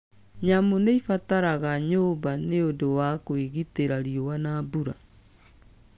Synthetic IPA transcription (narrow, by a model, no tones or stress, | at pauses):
ɲamoneifataɾaɣaɲoːbaneodowakoeɣiteɾaɾiowanabuɾa